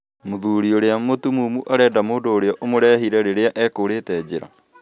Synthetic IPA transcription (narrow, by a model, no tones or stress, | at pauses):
moðuːɾioɾeamotumuːmuʔaɾɛːdamoːndoːɾeɔʔomoɾɛɦiɾɛɾeɾeaʔɛːkoɾetɛd͡ʑeɾa̰